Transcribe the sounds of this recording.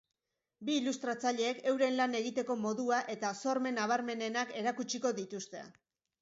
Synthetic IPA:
biːlust̪ɾat͡saʎe̞ːke̞wɾe̞nlane̞ɣit̪e̞ko̞mo̞ðuaʔe̞t̪aso̞ɾme̞naβ̞aɾme̞ne̞nake̞ɾakut͡ʃiko̞ðit̪ust̪e̞̰

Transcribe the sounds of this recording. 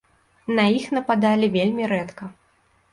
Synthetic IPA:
nɐjixnɐpad̪alʲivʲelʲmʲiɾɛt̪kɐ

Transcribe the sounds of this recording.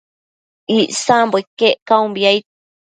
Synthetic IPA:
iʔsamboikeʔkaũmbiai

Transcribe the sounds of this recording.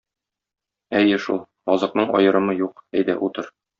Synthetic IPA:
æjɘʃulˠ | ɒzɤ̆qnɤɴɒjɤ̆ɾɤ̆mɤjuqæjd̪æ̰ʔut̪ɤɾ

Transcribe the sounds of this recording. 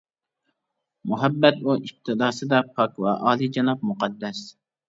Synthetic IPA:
muɦɛbːɛt̪uʔip̚t̪ʰɨd̪ɑːsɨd̪ɑpʰɑkwɛʔɑːlˠid͡ʒɑnɑp̚muqɑd̪ːɛs

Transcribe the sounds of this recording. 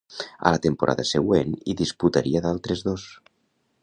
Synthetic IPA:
a̰lat̪empoɾa̰ðaseɣweniðisput̪aɾiaðalˠt̪ɾezðos

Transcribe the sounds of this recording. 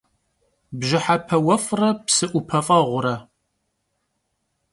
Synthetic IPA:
bʒɪħapʰɐwɐfʼrɐpsɨʔʷʊpʰɐfʼɐʁʷʊɾɐ

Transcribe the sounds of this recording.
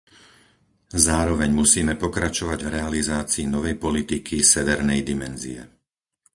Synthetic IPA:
zaːɾɔʋɛɲmusiːmɛpɔkɾat͡ʃɔʋaɟvɾɛalizaːt͡siːnɔʋɛjpɔlit̪ikʰisɛʋɛɾnɛjd̪imɛnzḭɛ̰

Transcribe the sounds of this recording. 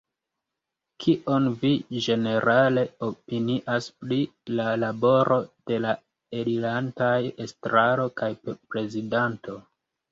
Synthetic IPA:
kʰiʔo̞nvid͡ʒe̞ne̞ɾʔale̞opiniʔaspɾilalabo̞ɾʔo̞d̥e̞la | eɾilantajestɾaɾo̞kajpɾe̞zidanto

